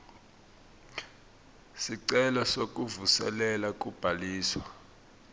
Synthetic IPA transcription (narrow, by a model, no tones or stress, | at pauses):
siǀɛlɔsok̬ʼuvusɛ̰lɛlak̬ʼub̥ʱaliːswa̰